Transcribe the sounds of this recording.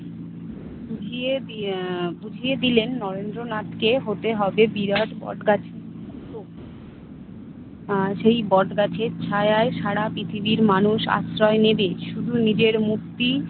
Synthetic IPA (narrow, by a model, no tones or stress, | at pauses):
bud͡ʑʱie | bud͡ʑʱied̪ilenːɔɾend̪ɾonat̪keɦot̪eɦɔbebiɾaʈbɔ̰ʈɡat͡ɕʰe | t̪o | ʃejbɔʈɡat͡ɕʰeɾt͡ɕʰaeaeʃaɽapɾit̪ʰibiɾmanuʃa̰sɾɔenebeʃud̪ʱunid͡ʑeɾmuk̚t̪i